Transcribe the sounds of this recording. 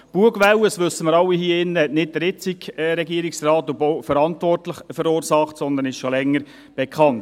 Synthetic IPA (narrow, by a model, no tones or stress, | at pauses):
b̥uəɡ̥ʋɛwəsʋɵsːəməɾɑwːihiəɪnːəɛtnɪt̚dəɾɪt͡sɪkːɾɛɡiəɾɪksrɑːt̪ʊbfəɾɑntvɔrtləχfəɾuːɾsɑχtsɔnd̪ənɪʃʃɔlɛŋːəɾ | b̥ɛkʰχɑnt